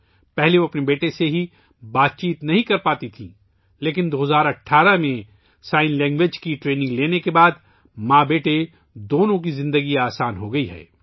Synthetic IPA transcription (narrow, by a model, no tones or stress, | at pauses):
pɛɦleʋoɐpnebeːʈeseɦi | baːt̪̚t͡ʃiːt̪nɐɦĩkɐɾpaːt̪it̪ʰḭ̃ː | leːk̬ɪnd̪oːɦzaːɾɐʈʰːaːɾəmẽ | saːɪnlɛ̃ːŋɡʋed͡ʒkiʈɾeːnɪ̃ŋɡleːnekebaːd̪ | mãːbeːʈe | d̪oːnõk̬izɪ̃nd̪əɡiaːsaːnɦoɡɐiɦɛ̰ː